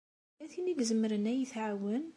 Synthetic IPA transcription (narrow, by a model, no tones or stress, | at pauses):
æθiniɡzəmːəɾənæjəθʕawən